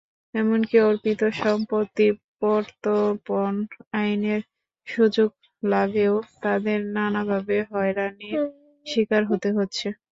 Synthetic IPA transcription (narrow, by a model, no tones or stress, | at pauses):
ɛmonkioɾpit̪oʃɔmpot̪ipɔɾt̪oponajneɾ | ʃud͡ʑoɡ̚ | labeot̪ad̪eɾnanabʱabeɦɔeɾani | ʃikaɾɦot̪eɦotːɕʰe